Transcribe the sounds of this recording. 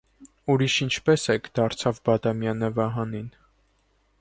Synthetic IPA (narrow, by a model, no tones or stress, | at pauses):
uɾiʃint͡ʃʰpɛsɛkʰd̪ɑɾt͡sʰɑvbɑd̪ɑmjɑnəvɑɦɑnin